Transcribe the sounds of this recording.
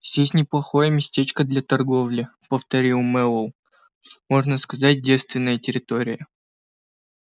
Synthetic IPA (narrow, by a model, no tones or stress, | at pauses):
zʲdʲesʲnʲɪplˠɐxojəmʲɪsʲtʲet͡ɕkəd̪lʲat̪ɐrɡo̞vlʲɪpəft̪ɐɾʲilˠmɛlˠəlˠ | mo̞ʐnəskɐzat̚ʲdʲe̞t̪st̪vʲɪnːəjətʲɪɾʲɪt̪o̞ɾʲɪjə